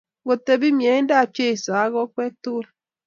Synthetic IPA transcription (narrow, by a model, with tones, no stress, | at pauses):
wo˨te˨bi˦mje˨˦da˦˨pje˦˨sa˨a˦ɣɔ˦k͡pe˦tu˦l